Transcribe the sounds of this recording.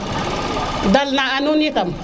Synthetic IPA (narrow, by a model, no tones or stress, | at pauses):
dalnaanunikam